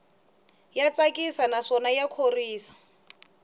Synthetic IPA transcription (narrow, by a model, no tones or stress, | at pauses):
jat͡sakʼisanaʂɔnajakʰoriːsḁ